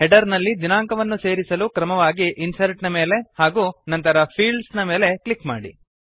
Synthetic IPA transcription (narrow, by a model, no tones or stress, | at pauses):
hɛɖɐɾnɐlːid͡ʒinaːŋkɐʋɐnːuse̞ːɾisɐluːkɾɐmɐʋaːɡiʔinsɐɾʈnɐme̞ːle̞haːɡuːnɐnt̪ɐɾɐpʰiːɭɖsnɐmeːle̞klikma̰ːɽḭ